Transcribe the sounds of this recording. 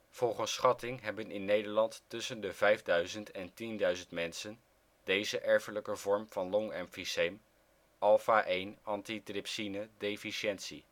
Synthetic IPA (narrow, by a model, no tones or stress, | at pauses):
v̥ɔlˠχənsχɑtɪŋɦɛbənɪnːejdəɹlɑntːɵsəndəvɛjvdœɥzəntɛntindœɥzəntmɛnsən | d̥ejzəʔɛɹfələkəvɔɹmv̥ɑnlɔŋɛmfisem | ʔɑlˠfaːʔejnɑntitrɪpsinədejfiʃɛntsḭ